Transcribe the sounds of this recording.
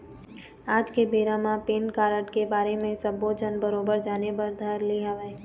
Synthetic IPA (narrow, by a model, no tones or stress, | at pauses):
aːd͡ʒkebeːɾamãpeːnkaːɾəʈkebaːɾemẽsɐbod͡ʒənbəɾoːbəɾd͡ʒaːnepəɾd̪ʱəɾliɦaʋeː